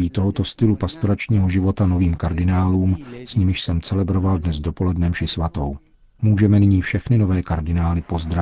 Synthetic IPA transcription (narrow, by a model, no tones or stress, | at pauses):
iːt̪o̞ɦo̞t̪o̞st̪ɪlupast̪oɾat͡ʃɲiːɦo̞ʒɪvo̞t̪ano̞viːmkaɾdɪnaːluːmsɲɪmɪʃsɛmt͡sɛlɛbɾo̞valdnɛzdo̞po̞lɛdnɛmʃɪsvat̪o̞w | muːʒɛmɛnɪɲiːfʃɛxnɪno̞vɛːkaɾdɪnaːlɪpo̞zd̪ɾa